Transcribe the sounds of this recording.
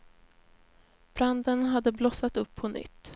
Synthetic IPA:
b̥ɾand̪ənɦad̪ːəblɔsat̪ɵpʰːɔnʏ̰t̪ː

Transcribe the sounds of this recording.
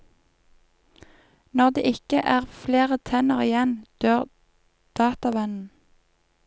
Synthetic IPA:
nɔʁd̪ḛːʔɪkəʔæːʁfleːʁət̪ʰɛnəʁɪjɛnd̪̥øːʁ | d̪̥ɑːt̪ɑʋɛnn̩

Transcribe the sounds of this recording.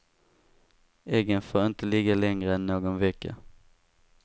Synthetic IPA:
eɡənfoːɾɪnt̪əliːɡalɛŋɾəɛnːoːɡɔnvɛkːa̰

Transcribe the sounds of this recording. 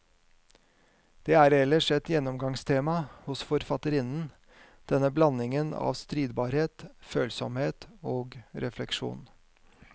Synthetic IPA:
d̪̥eːæːɾɛlːəʂɛt̪jɛnːɔmɡɑŋst̪ʰeːmɑhʊsfɔɾfɑt̪əɾɪnn̩ | d̪̥ɛnːəblɑnɪŋənɑ̰ːʋst̪ɾiːd̪bɑːɾheːt̪føːlsɔmheːt̪oːɡɾʔɛflɛkʂṵːn

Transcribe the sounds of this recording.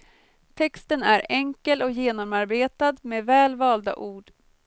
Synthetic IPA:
t̪ʰɛkst̪ənæɾɛŋkəlɔkjeːnɔmaɾbeːt̪ad̪meːvɛːlvɑːld̪a̰ʔuːɖ

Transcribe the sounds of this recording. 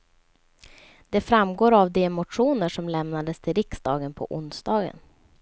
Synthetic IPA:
d̪̥ɛfɾamɡoːɾavd̪eːmʊʈɧuːnəʂɔmlɛmnad̪əst̪ʰɪlɾɪksd̪ɑːɡənpʰɔ̰ʔʊnsd̪ɑːɡə̰n

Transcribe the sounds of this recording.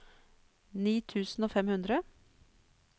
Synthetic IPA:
niːt̪ʰʉːsn̩oːfɛmhʉnd̪ɾə

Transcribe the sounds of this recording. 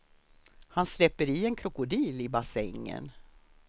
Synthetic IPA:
hanslɛpːəɾiɛnkʰɾʊkʊd̪iːlɪbasɛŋːə̰n

